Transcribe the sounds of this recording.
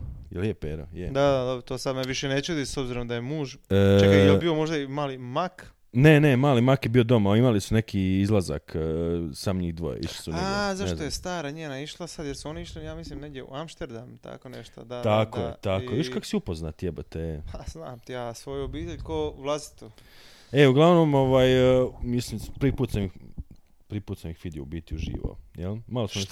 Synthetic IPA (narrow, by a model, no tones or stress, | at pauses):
jeljepeɾo̰jed̪ad̪ad̪obɾot̪oːsad̪meʋiʃenet͡ɕud̪isobziɾo̞md̪ajemuːʒt͡ʃajobiomoʒd̪aimaːlimak | nene̞maːlimakjebio̞d̪o̞maimalisune̞kiizlˠaza̰ksamɲiːɣd̪ʋo̰jḛʔḭʃli̥sunneazaʃtzojest̪aːɾaɲeːnaiʃlˠasad̪jeɾsuoniiʃlijaːmislimneɡd̪ʲjeṵamʃt̪eɾd̪amt̪a̰koneʃt̪od̪at̪akoet̪akoʋiʃkakosiupoznat̪jebət̪eeaznaːmt̪ijasʋojuobiːt̪eʎkovlˠasi̥t̪u | euɡlˠaʋno̞mo̞ʋaːjmislimpɾipuːt̪samix | pɾipuːt̪samixʋid̪ɛṵbit̪iuʒḭːʋo̰jelmalosue